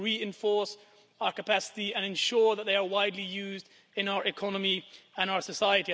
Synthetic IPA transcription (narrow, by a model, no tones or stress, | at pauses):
ɹiɪ̃ɱfɔɹs | aʊə˞kəpʰasɪ̥tiə̃nɨ̃nʃɔɹðət̪̚ðeɪə˞waɪdˡlijʉːzd | ɪ̃naʊə˞ɪkʰɒnəmiə̃ñaʊə˞səsaɪəti